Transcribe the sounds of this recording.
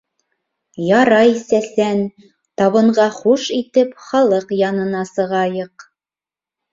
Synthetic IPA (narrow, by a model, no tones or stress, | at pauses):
jɑɾɑjsæsæn | t̪ɑβɤ̆ɴɢɑχuʃit̪ɘpχɑlˠɤqjɑnɤ̆nɑsɤ̆ʁɑjɤq